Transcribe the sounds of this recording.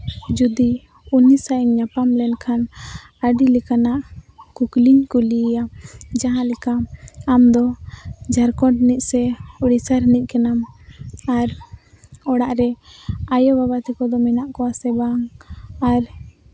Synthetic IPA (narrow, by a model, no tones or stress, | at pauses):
d͡ʒud̪i | unisaʔɲɲapamlɛnkʰan | aɖilɛkanaʔkukliɲkulijad͡ʒaɦãlɛkaamd̪ɔd͡ʒaɾkɔʈniʔ̚sɛuɽisaɾɦɛniʔ̚kɛnamaɾ | ɔɽaʔɾɛajɔbaβat̪ikɔd̪ɔmɛnaʔkɔasɛbaŋaɾ